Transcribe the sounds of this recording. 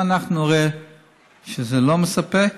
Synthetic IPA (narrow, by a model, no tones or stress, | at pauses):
anaχnuʁe | ʃəzeloməsapɛk